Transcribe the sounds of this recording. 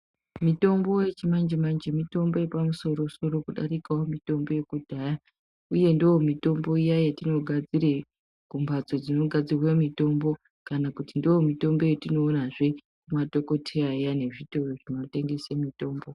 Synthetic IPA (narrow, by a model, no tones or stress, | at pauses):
mito̞mbo̞jet͡ʃimand͡ʒemand͡ʒemito̞mbo̞je̞pamuso̞ɾo̞so̞ɾo̞kuɗa̰ɾikaomito̞mbo̞je̞kudʱaja | uje̞ndoomito̞mbo̞ijajatino̞ɡʱad͡zire | ɡ̥umbʱad͡zo̞d͡zino̞ɡʱad͡zirwemito̞mbo̞ | kanakutindoomito̞mbo̞jetino̞ːnaʐe̞ | kumato̞ko̞tʰeajane̞ʐito̞roʐinote̞ŋɡe̞semito̞ːmbo̞